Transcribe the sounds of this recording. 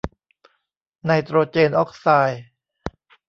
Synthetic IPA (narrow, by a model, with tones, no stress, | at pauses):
na˧jt̪ɾoː˧t͡ɕeː˧nʔɔ˦˥k̚saː˧j